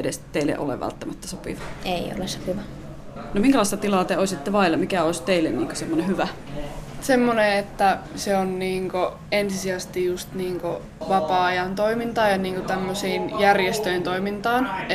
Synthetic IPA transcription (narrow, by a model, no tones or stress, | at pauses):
edest̪eilːḛʔo̰lḛʋʋæ̰lt̪ːæmæt̪ːæsopḭʋɑeio̰lesopiʋɑ | nomiŋkælɑˑisʲt̪ɑt̪ilɑːˑt̪eoˑisit̪ːeʋɑˑilːɑmikæoˑisʲt̪eilːḛnniːŋkosemːonehyʋæ | semːoneet̪ːæseonniːŋko | ensisiæst̪ijjust̪niːŋko | ʋɑpɑːɑjɑnt̪oimint̪ɑːjɑniːŋkot̪æmːøsiːnjærjest̪øint̪oimint̪ɑːn